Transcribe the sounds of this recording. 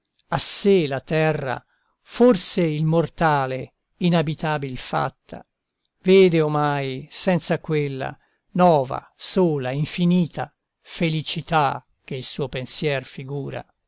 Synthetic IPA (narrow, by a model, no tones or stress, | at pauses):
aselat̪ɛrːa̰ | forseilmort̪aːle | inabit̪aːbilfa̰t̪ːa̰ | veːd̪eomajsɛnt̪sakwelːa̰ | nɔːva̰ | soːlaiɱfiniːt̪ʰa | felit͡ʃit̪a | k̟eilsuːopensjɛrfiɡuːɾa̰